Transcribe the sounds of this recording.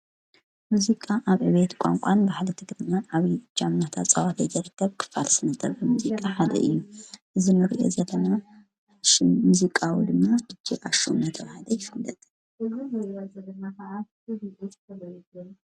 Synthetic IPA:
muzikʼaʔaβɨβet̪kʷʼa̰ŋkʷʼanbaħalɐt̪ʰɨɡɾɨɲːaʔaβid͡ʒamːat̪ʰat͡sʼawat̪ʰɐjzɐɾɨt̪ʰːɐβkʰɨ̥falsɨnɐt̪ʼːɐβɐmuzikʼaħad̪ɐ̰ʔɨjːuʔɨzinɨɾiʔo̞̰zɐlɐna | ʃɪːuzikʼawid̪ɨmːad̪ɨd͡ʒːiʔaʃo̰mnɐt̪ʰɐβhad̪ɐjɪflɐt̪ʼ | ɨzaɐlɐnakɐʔa

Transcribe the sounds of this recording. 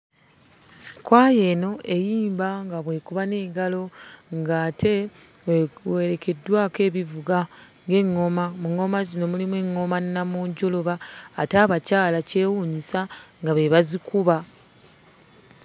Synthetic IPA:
kwaːje̞no̞ʔe̞jiːmbaŋɡaβwe̞ːkuβane̞ːɡalo̞ŋɡaːtʰe̞ | we̞ɾe̞ke̞dːwaːke̞ːβivuɡa | ŋɡe̞ŋːo̞mamuŋːo̞mazino̞mulimwe̞ŋːo̞mannamuːɲɟoloβaːtaːβacaːlace̞ːwuɲisaŋɡaβe̞βazikuβa

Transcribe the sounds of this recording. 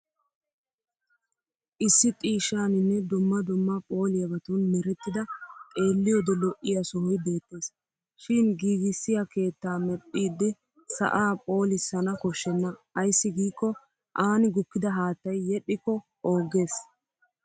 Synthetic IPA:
ʔɪsːɪt̪ʼiːʃːaːnɪnːɛd̪ʊmːɐd̪ʊmːɐpʼo̞ːlɪjɐbɐt̪unmɪɾɛt̪ːɪd̪ɐkʼe̞ːlːɪjɔd̪ɛlɔʔːɪjɐsɔhɔjbe̞ːt̪ːe̞ːs | ʃɪnɡiːɡɪsːɪjɐke̞ːt̪ːaːmɛpʼːiːd̪ːɪ | sɐ̰ʔaːpʼo̞ːlɪsːɐnɐkɔʃːɛnːɐɐjsːɪɡiːkːɔ | ʔaːnɪɡʊkːɪd̪ɐɦaːt̪ːɐjːɛɗːɪkːɔ | o̞ːɡe̞ːs

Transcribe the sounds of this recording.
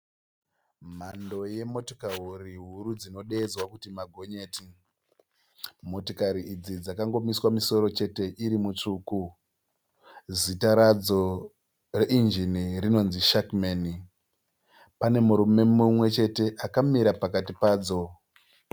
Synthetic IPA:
m̤ando̞je̞mo̞tokaɦuriɦuɾud͡zino̞ɗe̞ːd͡zwakutimaɡʱo̞ɲe̞ːti | mo̞tokaɾiid͡zid͡zakaŋɡo̞miswamiso̞ɾo̞t͡ʃe̞te̞ʔiɾimut͡ʂuːku | zitaɾad͡zo̞ | re̞ʔind͡ʒiniɾino̞nziʃakmeni | pane̞muɾume̞mumwe̞t͡ʃe̞te̞ʔakamiɾapakatipaːd͡zo̞

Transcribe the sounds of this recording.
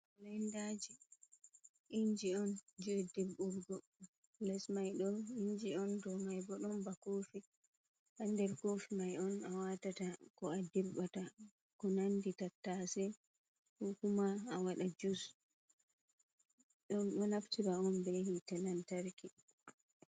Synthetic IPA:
lɛndad͡ʒi | ʔiɲd͡ʒiɔnd͡ʒodebuɾɡɔ | lɛsmajɗɔiɲd͡ʒiɔndɔmajbɔɗɔmbakofi | handɛɾkofimajɔnawatatakɔadiɾɓata | kɔnanditatːasɛ | hukumaːwaɗad͡ʒus | ɗɔnɗɔnaftiɾaɔnbɛhitɛlantaɾki

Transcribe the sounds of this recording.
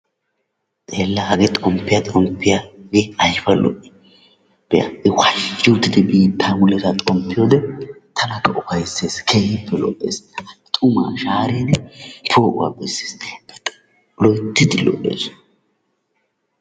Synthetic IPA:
t͡sʼeːlːahɐɡɛt̪ʼɔmpːɪjat̪ʼɔmpːɪjaɡeɐjfɐlʔɔ̰ʔɪ̥ | b̥ɛɐ̰ɪwɐut̪ːɪd̪ɛbiːt̪ːaːmʊlɛtat̪ʼɔmpːɪjoːd̪ɛt̪ʰɐnɐkːɐʔʊfɐjsːeːskʰejɪpːɛlɔ̰ʔːḛːst̪ʼʊma̰ːʃaːɾeːnɛpʰoːʔʊ̰wa̰ːbɛsːeːsbɛt̪ | lɔjt̪ːɪd̪ɪlɔ̰ʔḛːs

